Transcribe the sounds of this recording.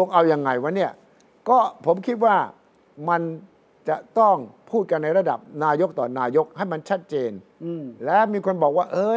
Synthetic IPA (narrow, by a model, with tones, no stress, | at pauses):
o˧ŋʔa˧wja˧ŋːa˧jwa˦˥ni˥˩ɐ | kɔː˥˩pʰo˩˦mkʰi˦˥t̪̚waː˥˩ | ma˧n | t͡ɕa˨˩t̪ɔ˥˩ŋpʰuː˥˩t̪̚ka˧nːa˧jɾa˧da̰˨˩p̚naː˧jo˦˥k̚t̪ɔː˨˩naː˧jo˦˥k̚ha˥˩jma˧nt͡ɕʰa˦˥t̪̚t͡ɕeː˧n | lɛː˦˥miː˧kʰo˧nbɔː˨˩k̚waː˥˩ʔɤː˧